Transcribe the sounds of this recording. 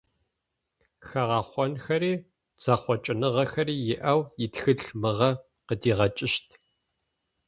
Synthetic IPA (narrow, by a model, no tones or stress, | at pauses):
xɐʁɑːχʷɔnxɐɾiː | t͡sʰaːχʷɔt͡ʃʼɪnɨʁɐxɐriːjɪʔɐwjɪtxɨɬmɨʁɐ | qədiːʁɐt͡ʃʼɪʃtʰ